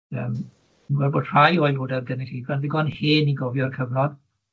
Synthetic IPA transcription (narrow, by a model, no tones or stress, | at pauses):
əːm | ənɡwɛlˠbɔd̥ʰr̥ajɔjlˠoːdarɡənitibʰanðɪɡɔnheːniɡɔvjɔrkʰəvnɔd̥